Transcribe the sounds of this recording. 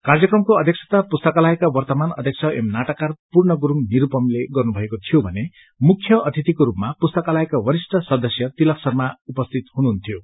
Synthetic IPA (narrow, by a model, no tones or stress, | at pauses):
kard͡zʌkrʌmkoʌ̰d̪ʱjeksʰʌ̥t̪apust̪ʌkalaekawʌrt̪ʌmanʌ̰d̪ʱekt͡sʰʌḛmnaʈʌkarpurnʌɡuɾuŋniɾupʌmleɡʌrnubʱʌekot̪ʰijobʱʌne | mukʰːjʌʌt̪ʰit̪ikoɾupmapust̪ʌkalaekabʌɾisʈʰʌsʌd̪ʌsjʌt̪ilʌksʌrmaupʌst̪ʰit̪hɦunuɦunt̪ʰijo